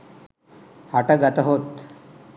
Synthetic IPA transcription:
haʈəɡat̪əɦot̪

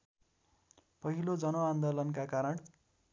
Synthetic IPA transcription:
pʌɦilod͡zʌnoand̪olʌnkakaɾʌɳ

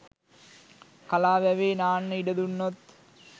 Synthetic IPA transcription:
kalaːʋæʋeːnaːnːəiɖəd̪unːot̪

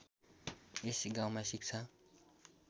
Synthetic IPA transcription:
esiɡawmasik̚t͡sʰa

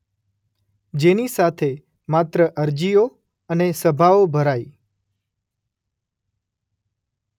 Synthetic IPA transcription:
d͡ʒenisat̪ʰe | mat̪ɾəʔəɾd͡ʒio | ənesəbʱaobʱəɾai

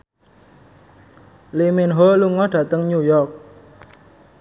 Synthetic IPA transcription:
liminɦoluŋɔɖ̥ä̤t̪əŋɲujɔrk̚

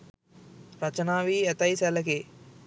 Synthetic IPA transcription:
ɾɐt͡ʃɐnaːʋiːɛt̪ɐjsɛlɐke

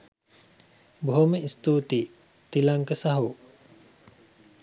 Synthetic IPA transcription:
boɦoməist̪uːt̪i | t̪ilaŋkəsaɦu

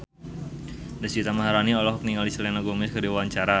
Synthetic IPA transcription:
dəsit̪amaɦaɾaniɔlɔɦɔk̚niŋalisəlɛnaɡɔmɪskədiwwaɲt͡ʃaɾa

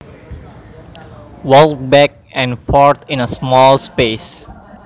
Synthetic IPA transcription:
wɔlbɛk̚ | ɛ̃nfɔɹt̪ʰɪ̃nəsmɔlspes

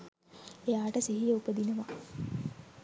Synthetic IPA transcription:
ejaːʈəsiɦijəupəd̪inəʋa

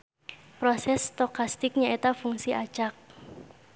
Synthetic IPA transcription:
pɾɔsɛst̪ɔkast̪ɪk̚ɲaʔet̪afuŋsiʔḁt͡ʃak̚

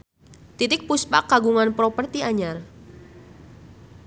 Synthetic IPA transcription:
t̪it̪ɪk̚puspa̰kaɡuŋanpɾɔpərt̪iaɲar

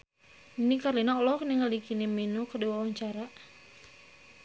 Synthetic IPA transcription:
inikarlinaɔlɔkniŋəlikiniminokədiwawaɲt͡ʃaɾa

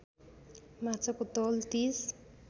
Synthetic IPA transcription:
mat͡sakot̪ɔlt̪is

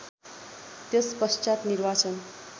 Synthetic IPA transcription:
t̪jespʌst͡ʃat̪nirbat͡sʌn

